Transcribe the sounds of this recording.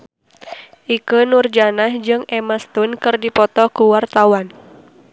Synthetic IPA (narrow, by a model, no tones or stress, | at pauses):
ʔikənurd͡ʒanahd͡ʒɨŋɛmast̪unkɨrdipɔt̪ɔkuwart̪awan